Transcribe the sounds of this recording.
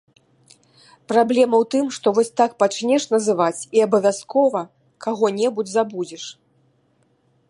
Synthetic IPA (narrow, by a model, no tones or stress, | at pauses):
pɾablʲɛmɐwt̪ɨmʂt̪ɔvɔsʲt̪ak̚pat͡ʃnʲɛʂnɐzɨvat͡sʲiabɐvʲaskɔvɐ | kaɣɔnʲɛbud͡zʲzabud͡zʲɛʂ